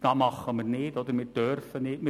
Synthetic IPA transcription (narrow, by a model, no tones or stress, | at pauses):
d̥ɑːmɑχəmərnɪːtod̪əɾmɪːd̥ørfənɪtmɪ